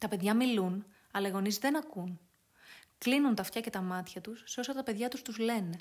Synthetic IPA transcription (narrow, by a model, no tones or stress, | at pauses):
t̪ɐpe̞ðʝɐmilun | ɐlɐiɣo̞nizðe̞nɐkun | klinunt̪ɐft̪çɐce̞t̪ɐmɐt̪çɐt̪usːeo̞sɐt̪ɐpe̞ðʝɐt̪ust̪uzle̞ne